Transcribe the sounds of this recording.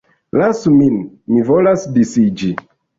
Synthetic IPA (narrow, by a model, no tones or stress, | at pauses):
lasminmivolasdisid͡ʒi